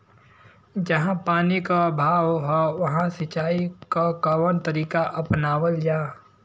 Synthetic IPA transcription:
d͡ʒɐɦãpaːnikabʱaːwɦɔʋɐɦãsɪt͡ʃaːikakaʋənt̪əɾiːkaʔɐpnaːʋəld͡ʒaː

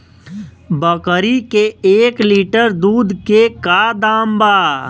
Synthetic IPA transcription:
bəkəɾikeeːkliːʈəɾd̪uːd̪kekaːd̪aːmbaː

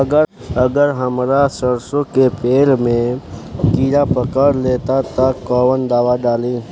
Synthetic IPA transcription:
əɡə | əɡəɾɦəmɾasəɾsõkepeːlmẽkiːɾapəkəɾleːt̪at̪əkɔːwənd̪aːʋaɖaːlẽ

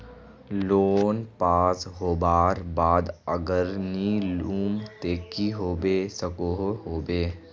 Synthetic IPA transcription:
loːnpaːsɦoːbaːɾbaːd̪əɡəɾniluːmt̪eːkiɦoːbesəkoɦoɦoːbeː

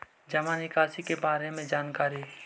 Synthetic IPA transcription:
d͡ʒɐmaːnɪkaːsikebaːɾemẽd͡ʒaːnkaːɾi

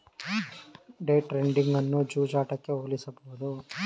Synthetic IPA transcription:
ɖeːʈɾeɳɖiŋɡɐnːud͡ʒuːd͡ʒaːʈɐkːeoːlisɐbɐɦud̪u

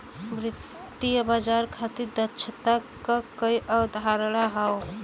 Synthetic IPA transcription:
mɾit̪ː | ijbad͡ʒaɾkʰat̪iɾd̪əːt͡ʃʰət̪a | əkəjʔəd̪ʱaɾlaɦəw

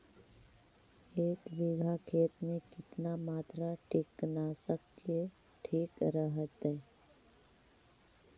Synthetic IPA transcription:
eːkbɪɡʱakʰeːt̪mẽkɪt̪namaːt̪ɾaʈʰɪknasəkt͡ʃe | ʈʰiːkɾəɦət̪ɦɛː

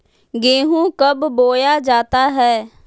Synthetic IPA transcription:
ɡeːɦũkəbboːjaːd͡ʒaːt̪aɦɛː

